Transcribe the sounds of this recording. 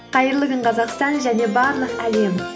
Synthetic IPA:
qʰɑjəɾlˠəɡəɴqʰɑzɑqst̪ɑnʒæne̞bɑɾlˠəqæle̞m

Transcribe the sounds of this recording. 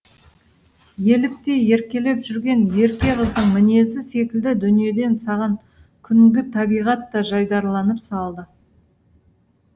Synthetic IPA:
je̞lɪp̚t̪e̞je̞ɾkʲe̞le̞pʒʏɾɡʲe̞nje̞ɾkʲe̞ʁəzd̪əɴmɪne̞zɪse̞kʲɪld̪ɪd̪ʏnije̞d̪e̞nsɑʁɑŋ | kʲʰʏŋɡʲɪt̪ʰɑbijʁɑt̪ːɑʒɑjd̪ɑɾlˠɑnəpsɑlˠd̪ə

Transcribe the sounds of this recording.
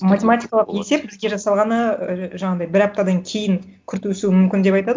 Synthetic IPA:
matʲe̞matʲijkalˠəqe̞se̞p̚bɪzɡʲeʒɑsɑlˠʁɑnəʒɑɴɑd̪ɑjbɪɾɑp̚t̪ɑd̪ɑŋkʲʰe̞jɪŋ | kʲʰʏɾt̪wʏsuɪmʏmkʲɪnd̪e̞pɑjt̪ɑd̪ə

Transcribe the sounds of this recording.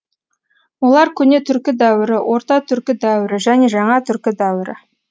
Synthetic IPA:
wolˠɑɾkʲʰɵne̞t̪ʰʏɾkʲɪd̪æwɪɾɪwʔo̞ɾt̪ɑt̪ʰʏɾkʲɪd̪æwɪɾɪʒæne̞ʒɑɴɑt̪ʰʏɾkʲɪd̪æwɪɾɪ̰

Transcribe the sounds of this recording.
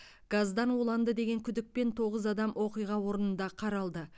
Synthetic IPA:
ɡ̥azd̪ɑnwolˠɑnd̪əd̪e̞ɡʲe̞ŋkʲʰʏd̪ɪk̚pe̞nt̪ʰo̞ʁəzɑd̪ɑmwʔoqijʁɑwo̞ɾənənd̪ɑqʰɑɾɑlˠd̪ə

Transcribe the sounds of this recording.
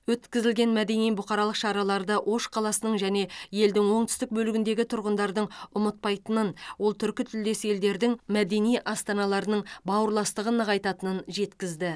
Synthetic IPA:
wɵt̪kʲɪzɪlɡʲe̞nmæd̪e̞nijbʊqɑɾɑlˠəqʃɑɾɑlˠɑɾd̪əwʔo̞ʃqʰɑlˠɑsənəɴʒæne̞je̞ld̪ɪŋwo̞ɴt̪ʰʏ̥st̪ɪk̚bɵlɪɡʲɪnd̪e̞ɡʲɪt̪ʰʊɾʁənd̪ɑɾd̪əɴʊmət̪̚pɑjt̪ənənwo̞lˠt̪ʰʏɾkʲɪt̪ʰʏld̪e̞se̞ld̪e̞ɾd̪ɪŋmæd̪e̞nijʔɑst̪ɑnɑlˠɑɾənəɴbɑwəɾlˠɑst̪əʁənɑqɑjt̪ɑt̪ənənʒe̞t̪kʲɪzd̪ɪ

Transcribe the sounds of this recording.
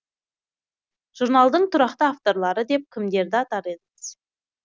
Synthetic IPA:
ʒ̥uɾnɑlˠd̪əɴt̪ʰʊɾɑqt̪əaft̪o̞ɾlˠɑɾəd̪e̞p̚kʲʰɪmd̪e̞ɾd̪ɪɑt̪ɑɾe̞d̪əməz̥

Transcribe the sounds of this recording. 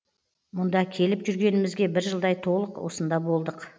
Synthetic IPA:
mʊnd̪ɑkʲʰe̞lɪpʒʏɾɡʲe̞nɪmɪzɡʲebɪɾʒəlˠd̪ɑjt̪ʰo̞lˠəqwosənd̪ɑbo̞lˠd̪əq

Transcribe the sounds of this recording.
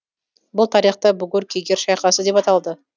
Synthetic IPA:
bʊlˠt̪ʰɑɾiχt̪ɑbʊɡʲʊɾkʲʰeɡʲeɾʃɑjqɑsəd̪e̞pɑt̪ɑlˠd̪ə

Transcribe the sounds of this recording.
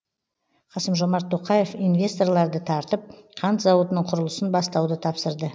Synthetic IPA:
qʰɑsəmʒo̞mɑɾt̪ʰːo̞qɑje̞fijnvʲe̞st̪o̞rlˠɑɾd̪ət̪ʰɑɾt̪əp̚qʰɑnt̪zɑwot̪ənəɴqʰʊɾəlˠəsənbɑst̪ɑwd̪ət̪ʰɑpsəɾd̪ə

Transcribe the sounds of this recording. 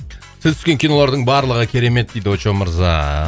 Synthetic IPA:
sɪzt̪ʰʏ̥skʲe̞ŋkʲʰijno̞lˠɑɾd̪əɴbɑɾlˠəʁəkʲʰe̞ɾe̞me̞t̪̚d̪ejd̪ɪwot͡ʃoməɾzɑ̰

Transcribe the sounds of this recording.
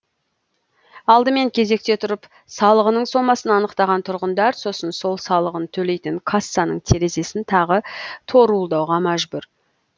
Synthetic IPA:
ɑlˠd̪əme̞ŋkʲʰe̞ze̞k̚t̪e̞t̪ʰʊɾəp | sɑlˠəʁənəɴso̞mɑsənɑnəqt̪ɑʁɑnt̪ʰʊɾʁənd̪ɑɾso̞sənso̞lˠsɑlˠəʁənt̪ʰɵle̞jt̪ɪŋkʰasːɑnəɴt̪ʰe̞ɾe̞ze̞sɪnt̪ʰɑʁət̪ʰo̞ɾulˠd̪ɑwʁɑmæʒbʊɾ

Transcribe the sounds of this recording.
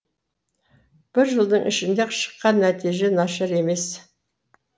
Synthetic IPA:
b̥ɪɾʒəlˠd̪əɴʔɪ̰ʃɪnd̪eqʰʃə̥qːɑnːæt̪iʒe̞nɑʃɑɾe̞me̞s

